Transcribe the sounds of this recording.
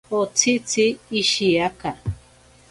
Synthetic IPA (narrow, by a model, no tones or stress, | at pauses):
ot͡sʰit͡siːʃiaka